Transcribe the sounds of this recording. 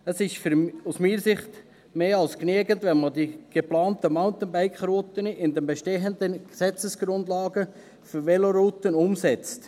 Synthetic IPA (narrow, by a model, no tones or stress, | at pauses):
əsɪʃfɾusmiːɾsɪχt | meːɑlskneəɡəntʋɛnmɑd̪iɡ̥eplɑːntəmaʊntənbaɪkχɾoːt̪ənəʔɪnd̪ɛmbɛʃteːɦənd̪ənɡ̥sɛt͡səsɡ̥ɾʊndlɑːɡə | føɾʋɛloɾuːtənʊmsɛt͡st